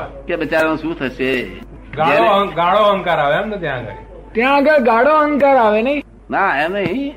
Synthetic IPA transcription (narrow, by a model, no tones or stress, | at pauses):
keɓɪt͡ʃaːɾənũʃũːt̪ʰəʃeː | ɡaɽoɡaːɽoɦəŋkaɾaːʋeɦamt̪ət̪jãɡə̰ɾ | t̪jãɡəɾɡaːɽoəŋkaːɾaːʋenəĩ | naemnəɦĩ